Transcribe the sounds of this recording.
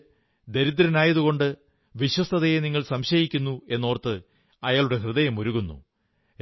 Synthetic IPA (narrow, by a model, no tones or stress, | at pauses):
d̪e̞ɾid̪ːɾɐnaːjɐðuɣo̞ɳɖɨ | ʋiɕwɐst̪ʰɐðɐjeniŋːɐɭsɐmɕɐjikʲːunːue̞nːo̞ːrt̪ːɨ | ɐjaːɭuɽe̞ɦrɨðɐjɐmoɾuɣunːṵ